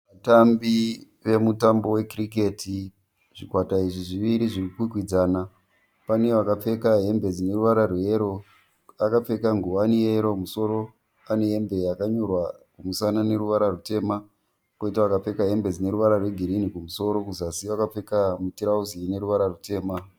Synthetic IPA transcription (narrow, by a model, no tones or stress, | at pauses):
ʋatambi | ʋe̞mutambo̞we̞kirik̬e̞tʰi | ʐ̥ikwataiʐiʐiʋiɾiʐirkukwikwid͡zaːna | pane̞ʋakap͡fe̞kaɦe̞mbe̞d͡zine̞ɾuʋaɾarwe̞ɾo̞ | akap͡fe̞kaŋɡuwanieɾomuso̞ɾo̞ | ane̞embe̞jakaɲo̞rwakumusanane̞ɾuʋaɾarute̞ːma | koitaʋakap͡fe̞kaɦe̞mbe̞d͡zine̞ɾuʋaɾarwe̞ɡʱiɾinikumuso̞ɾo̞kuzasiʋakap͡fe̞kamutiɾauzine̞ɾuʋaɾarute̞ːma